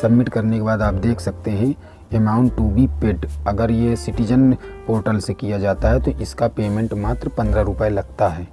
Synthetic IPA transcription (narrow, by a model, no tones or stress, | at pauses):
sɐbmɪʈkɐɾnekebaːd̪aːpd̪eːkʰsɐk̚t̪eɦɛ̃ | emaːʊ̃ɳʈːubipeɖɐɡəɾjesɪʈɪd͡ʒənpoːɾʈəlsekijad͡ʒaːt̪aɦɛt̪oʔɪskapeːmẽɳʈmaːt̪ɾəpɐ̃nd̪ɾaɾʊpəelɐɡ̚t̪aɦɛː